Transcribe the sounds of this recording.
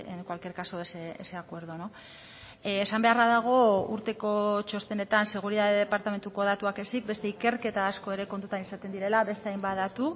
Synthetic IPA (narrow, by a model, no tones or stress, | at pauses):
ḛnkwalkeɾkasoeseḛseakwe̞ɾð̞ono | esambe̞araðaɣ̞o̞ṵɾt̪e̞ko̞t͡ʃo̞st̪ene̞t̪anse̞ɣ̞uɾiðaðeðepaɾt̪ame̞nt̪uko̞ð̞at̪uake̞sik̚be̞st̪e̞ike̞ɾke̞t̪aːsko̞e̞ɾe̞ko̞nt̪ut̪anisat̪e̞nd̪iɾe̞laβe̞st̪eajmbaðat̪u